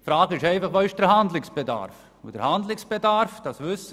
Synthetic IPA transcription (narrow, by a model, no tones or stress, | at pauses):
fɾɑːɡəɪʃɛɪfɑχʋoːɪʃd̥ɛɾɦandlɪksb̥eda̰ɾf | ɪ̰d̥əɾhandlɪksb̥edaɾfd̥ɑsʋʏsə